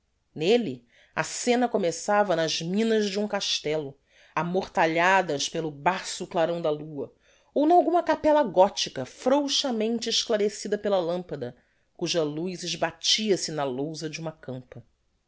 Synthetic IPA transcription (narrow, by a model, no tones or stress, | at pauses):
neli | ɐsẽnɐkomesavɐnɐʒmĩnɐzd͡ʒɪũŋkaʃt̪ɛlʊ | amoχt̪aʎad̪ɐʃpelʊbasʊklaɾɐ̃w̃d̪ɐluɐ | ownɐawɡũmɐkapɛlɐɡɔt͡ʃikɐfɾowʃɐmẽnt͡ʃɪɪʃklaɾesid̪ɐpelɐlɐ̃mpɐd̪ɐ | kuʒɐlujzɪʒbat͡ʃiɐsɪnɐlowzɐd͡ʒɪũmɐkɐ̃mpɐ